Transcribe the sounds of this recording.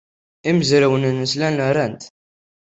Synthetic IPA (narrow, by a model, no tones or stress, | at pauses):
iməzɾəwənənːəslænəɾænt̪